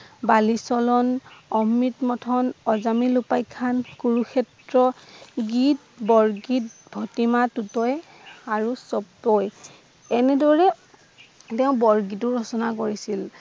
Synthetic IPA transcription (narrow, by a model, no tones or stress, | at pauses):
balisɔlɔnɔmːitmɔtʰɔnɔzamilupajkʰankuɹukʰɛtɹɔɡit̚ | bɔɹɡit̚bʱɔtimatutɔj | aɹusɔptɔj | ɛnɛdɔɹɛ | tɛʊ̃bɔɹɡitʊɹɔsɔnakoɹisil